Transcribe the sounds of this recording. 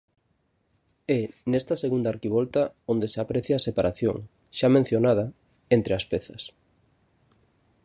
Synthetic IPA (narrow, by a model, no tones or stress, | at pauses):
ɛnest̪ɐseɣund̪aɾkiβ̞ɔlt̪aond̪eseapɾeθjaːsepaɾaθjo̰ŋ | ʃamẽn̟θjonað̞ɐ | ent̪ɾeaspɛθɐs